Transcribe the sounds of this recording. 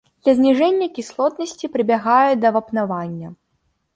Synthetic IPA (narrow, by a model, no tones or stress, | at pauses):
d̪̥lʲɐzʲnʲiʐɛnʲːɐkʲislˠɔt̪nɐsʲt͡sʲipɾɨbʲaɣajɛd̪ɐvɐpnavanʲːɐ